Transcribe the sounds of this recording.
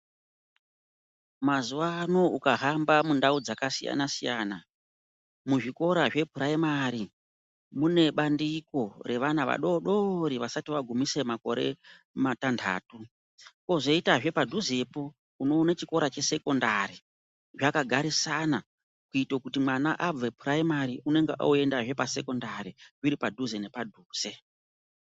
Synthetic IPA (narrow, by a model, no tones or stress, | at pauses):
mazuʋano̞ukaɦambamundaud͡zakasija̰nasijaːna | muʐiko̞ɾaʐe̞pʰuɾaemaːɾi | mune̞ɓandiko̞re̞ʋanaʋa̰ɗo̞ɗo̞ɾiʋasatiʋaɡʱumise̞mako̞̰ɾe̞̰ | matandʱa̰ːtu | ko̞ʐeitaʐe̞padʱuze̞po̞ | uno̞ːnat͡ʃiko̞ɾat͡ʃe̞se̞ko̞ndaɾi | ʐakaɡʱaɾisana | kuitokutimwanaʔab͡vepʰuɾaimaɾiune̞ŋɡeʔa̰ue̞ndaʐe̞pase̞ko̞ndaɾiʐiɾipadʱuzene̞padʱuːz̥e̞